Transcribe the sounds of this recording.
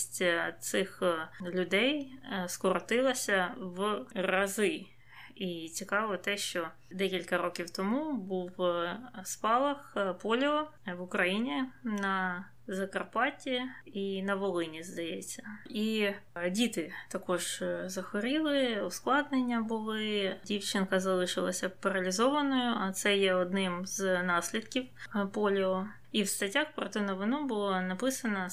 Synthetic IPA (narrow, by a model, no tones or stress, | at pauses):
sʲtʲt̪sɪxlʲʊd̪ɛjskɔɾɔt̪ɪlˠɐsʲɐʋrɐzɪ | it͡sʲikɑʋɔt̪ɛʃt͡ʃɔ | d̪ɛkʲilʲkɐɾɔkʲiwt̪ɔmubuw | spɑlˠɐxpɔlʲɔʋʊkɾɐjinʲinɐ | zɐkɐrpɑtʲiinɐʋɔlˠɪnʲɪzd̪ɐjet͡sʲːɐ̥idʲit̪ɪt̪ɐkɔʐ̥zɐxɔɾʲilˠɪʊsklˠɑd̪nɪnʲːɐbʊlˠɪdʲiwt͡ʃɪnkɐzɐlˠɨʂɪlˠɐsʲɐpɐɾɐlʲɪzoʋɐnɔjʊʔɐt̪sɛjɛɔd̪nɪmznɑsʲlʲɪd̪kʲifpɔlʲɪɔ | iwst̪ɐtʲaxpɾɔt̪ɛnɐʋɪnubʊlˠanɐpɪsɐnɐ